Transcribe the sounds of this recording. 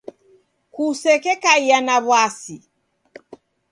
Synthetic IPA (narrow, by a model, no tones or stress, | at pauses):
kusɛkɛkaianaβwasi